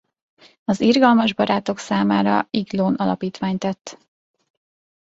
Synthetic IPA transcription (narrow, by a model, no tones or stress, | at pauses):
ɒzirɡɒlmɒʒbɒɾaːt̪o̞ksaːmaːɾɒ̰iɡloːnɒlɒ̰piːt̪ʋaːɲt̪ɛt̪ː